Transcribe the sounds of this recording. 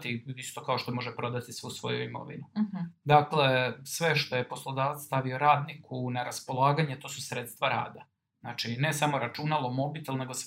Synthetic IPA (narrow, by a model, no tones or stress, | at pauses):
t̪iist̪o̞kao̞ʃt̪o̞mo̞ʒepɾo̞d̪at̪isʋusʋo̞̰juimo̞̰ʋḭnud̪akle̞sʋe̞ʃt̪o̞je̞po̞slˠo̞d̪aːʋat̪st̪aʋio̞ɾaːd̪nikʰunaɾaspo̞lˠaːɡaɲet̪o̞ːsusɾet̪st̪ʋaɾa̰ːd̪a | naːt͡ʃine̞samo̞ɾat͡ʃunalˠo̞mo̞bit̪elne̞ɡos